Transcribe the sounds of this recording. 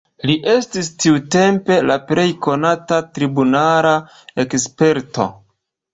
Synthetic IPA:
liʔe̞stistiute̞mpe̞lapɾe̞jko̞natatɾibunala | ekspe̞ɾto̞̰

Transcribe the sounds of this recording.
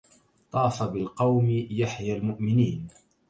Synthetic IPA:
t̪ˤɑːfabɪlqɑwmɪjaħjalmʊʔmɪniːn

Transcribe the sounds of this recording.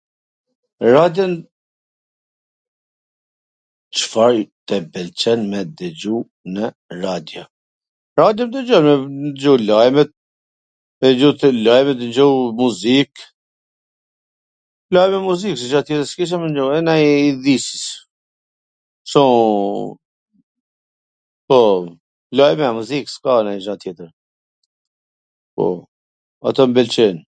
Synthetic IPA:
ɾad̪jɔn | t͡ʃfaɾt̪ɛbɛlt͡ʃɛnmɛd̪ɛd͡ʒu | nə | ɾad̪jɔ | ɾad̪jɔmd̪ɛd͡ʒɔnmɛnd͡ʒulajmɛt̪̚ | d͡ʒut̪lajmɛt̪̬nd͡ʒɔwmuzik | lajmɛmuziks̬iʃat̪jɛt̪əɾskiʃ̬amənd͡ʒuɛnajiðisə̥s | sɔ̃ | pɔ | lajmɛamuzikskanajʃat̪jɛt̪əɾ | pɔ̰ | a̰t̪ɔmbɛlt͡ʃɛn

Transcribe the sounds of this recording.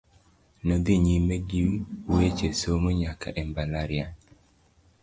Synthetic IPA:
nod̪iɲimeɡiwet͡ʃesomoɲaka̰ʔɛmbalaɾɪa

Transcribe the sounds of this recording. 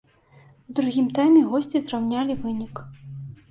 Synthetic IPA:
wd̪ɾuɣʲimt̪ajmʲɛɣɔsʲt͡sʲizrawnʲalʲivɨnʲik

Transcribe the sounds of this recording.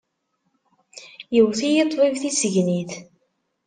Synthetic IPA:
jəwθijət̪ˤvivθisəʝniθ

